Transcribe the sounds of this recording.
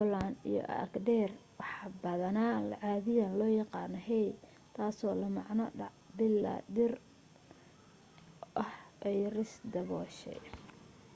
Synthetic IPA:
bɔlaːnḭjɔ̰ʔɐ̰kdɛrwɑħbɐðɐnaːlʕaːðɪjɐlɔːjɑqɑːnɐɦɛj | t̪ʰaːsɔːlɐmɑʕnɐɖɑʕbɪlːa̰ːdɪr | ʔɐhʔɛjrɪsd̪ɐβɔːʃɛ̰

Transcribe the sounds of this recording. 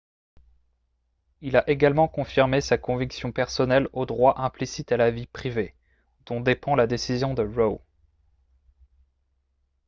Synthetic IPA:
ilaʔeɡalmɑ̃kɔ̃fiʁmesakɔ̃viksjɔ̃pɛʁsɔnɛlod̪ʁwaʔɛ̃plisit̪alavipχive | d̪̥ɔ̃d̪epɑ̃lad̪esizjɔ̃d̪əʁo

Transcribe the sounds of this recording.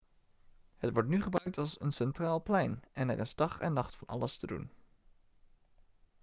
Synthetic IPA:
hətʋɔɹtnyχəbrœɥk̚tɑlˠsənsɛntraːlˠplɛjnʔɛnɛ̰rʔɪ̰sd̥ɑχɛ̰nːɑχtfɑnɑ̰ləstədṵn

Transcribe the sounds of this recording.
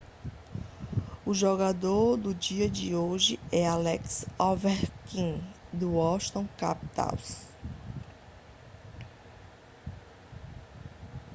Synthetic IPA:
ʊʒɔɡad̪oɾd̪ʊd͡ʒiɐd͡ʒɪoʒɪɛalɛksɔvɛɾkĩd̪ʊɔʃt̪õw̃ka̰pt̪a̰ws

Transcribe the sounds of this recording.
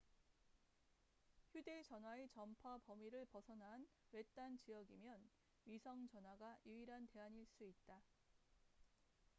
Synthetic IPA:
çjude̞t͡ɕʌnwaet͡ɕʌmpʰapʌmiɾɯɭpʌsʰʌnan | we̞t͈ant͡ɕijʌɡimjʌn | ɥisʰʌŋt͡ɕʌnɦwaɡajuiɾɦante̞aɲiɭs͈uit̚t͈a

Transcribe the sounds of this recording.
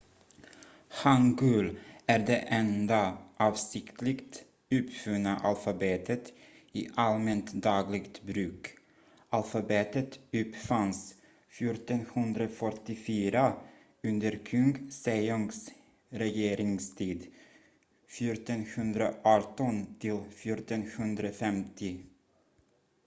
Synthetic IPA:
haŋɡʉlæɾɖɛʔɛnd̪aʔɑːvsɪkt̪lɪkt̪ | ʉːpfʉnːaʔalfabeːt̪ʰət̪ | ɪ̰ʔalmɛnt̪d̪ɑːɡlɪɡt̪bɾʉ̟ːk | alfabeːt̪ət̪ʉpfans | fjʊʈɔnhɵnd̪ɾafœʈɪfyːɾa | ɵnd̪əɾkʰɵŋɡsejɔŋɡs | ɾɛjeːɾɪŋst̪ʰiːd̪ | fjʊːɾʈ̪ɔnhɵnd̪ɾaʔɑʈɔnt̪ʰɪlfjʊɾʈ̪ɔnhɵnd̪ɾafɛmt̪ʰɪ

